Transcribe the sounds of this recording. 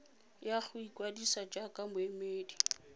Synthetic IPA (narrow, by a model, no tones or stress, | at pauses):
jak͡xʰʊikʼwadisad͡ʒʼakʼamʊemeːdi